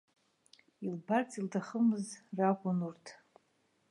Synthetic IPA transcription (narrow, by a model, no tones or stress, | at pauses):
ilbart͡sʼildʰaχəmɨzrakʷʼʊnurtʰ